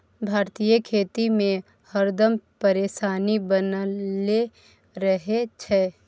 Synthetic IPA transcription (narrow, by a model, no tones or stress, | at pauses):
bʱaːɾt̪ijəkʰeːt̪imẽ | həɾd̪əmpəɾeːʃaːnibənle | ɾəɦet͡ʃʰɛː